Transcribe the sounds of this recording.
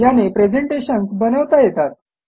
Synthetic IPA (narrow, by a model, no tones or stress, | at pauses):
janepɾed͡zeɳʈeɕənsbənəʋt̪ajet̪at̪̚